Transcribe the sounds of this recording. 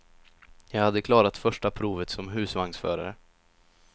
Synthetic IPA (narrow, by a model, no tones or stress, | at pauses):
jɑːɡhad̪ːəkʰlɑːɾat̪fœʂʈapʰɾuːvət̪sɔmɦʉ̟ːsvaŋsfœ̰ːɾa̰ɾə